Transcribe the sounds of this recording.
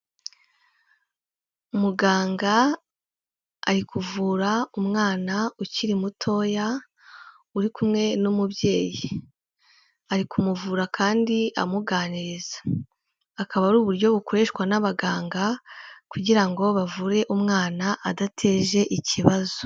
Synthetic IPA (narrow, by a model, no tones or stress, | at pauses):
umuɡaːŋɡa | ɾikuvuːɾaumŋaːnauciɾimutʰo̞ːja | uɾikumŋe̞numubje̞ːji | aɾikumuvuːɾakʰaːndia̰muɡaːniɾizḁː | kaβaɾuːβuɾɟo̞βuko̞ɾeʃwanaβaɡaːŋɡakuɟiɾaŋɡo̞βavuɾe̞ʔumŋaːnaʔadatʰe̞ːʒe̞ʔiciβazo̥